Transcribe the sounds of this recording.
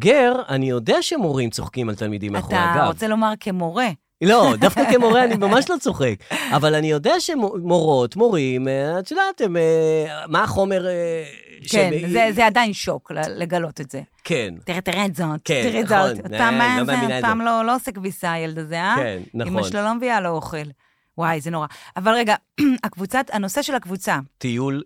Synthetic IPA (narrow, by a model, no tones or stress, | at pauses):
ɡeʁanijo̞deaʃemo̞ʁimt͡soχkimalt̪almid̪imaχtakʁot͡selo̞maʁkemoʁe | lo̞d̪afkakemoʁeanimamaʃlo̞t͡soχekavalanijo̞deaʃemomo̞ʁo̞tmo̞ʁimeat͡ʃedatememaːχo̞meʁ | ʃkenzezeadainʃo̞kleleɡalo̞t̪e̞tz̥ekʰent̪iʁet̪iʁezoteiʁizoopamːaepaːmloloosekvisajeld̪azeaennaimaʃlolomevialooχel | wajzenoʁaavalʁeɡa | akvut͡satano̞se̞ʃelhakvut͡sat̪ijul